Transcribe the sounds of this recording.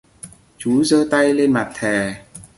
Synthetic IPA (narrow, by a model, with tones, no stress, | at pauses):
t͡ɕu˨˦zəː˧t̪a˧jle˧nma˨˩t̚t̪ʰɛ˨˩